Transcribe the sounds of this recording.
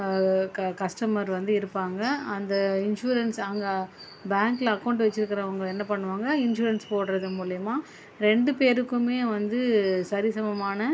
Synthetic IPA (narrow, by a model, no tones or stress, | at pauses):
kkɐsʈɐmɐɾʋɐnd̪ɯɪɾɯpːaːŋɡɐɐnd̪ɐɪnʂuːɾɐnsɐŋɡɐ | baːŋklɐɐkːɐʊɳɖʋɛt͡ʃːɪɾɯkːɪɾɐʊŋɡɐɛnːɐpɐɳːɯʋaːŋɡɐɪnʃuːɾɐnspoːʈɯɾɐðɯmuːlɪjɐmaː | ɾɛɳɖɯpeːɾɯkːɯmeːʋɐnd̪ɯsɐɾɪsɐmɐmaːnɐ